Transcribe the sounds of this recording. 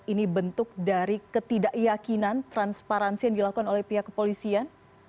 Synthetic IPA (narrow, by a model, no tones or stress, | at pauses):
inibənt̪ʊk̚daɾikət̪idaʔjakinant̪ɾanspaɾansijaŋdilakukanolɛhpiɦakːəpolisian